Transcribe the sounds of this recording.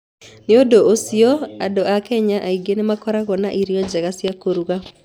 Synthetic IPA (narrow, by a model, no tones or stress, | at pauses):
neodoosiɔadoʔakɛɲaʔaiɡenemakɔɾaɣɔna̰ʔiɾiɔd͡ʒaɣasjakoɾuɣa